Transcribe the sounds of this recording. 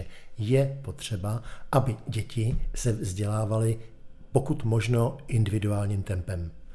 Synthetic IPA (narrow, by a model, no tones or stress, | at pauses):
ɛjɛpo̞t̪r̝̥ɛbaʔabɪɟɛcɪsɛvzɟɛlaːvalɪ | po̞kut̪mo̞ʒno̞ʔɪndɪvɪduaːlɲiːmt̪ɛmpɛm